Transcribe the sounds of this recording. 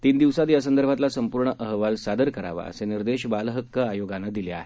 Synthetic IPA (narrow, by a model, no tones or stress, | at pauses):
t̪iːnd̪iʋsat̪jasənd̪əɾbʱat̪lasəmpuɾɳəʔəɦʋalsad̪əɾkəɾa̰ʋa̰ə̰seniɾd̪eɕbalɦəkːəajoɡanːəd̪ilea̰ɦe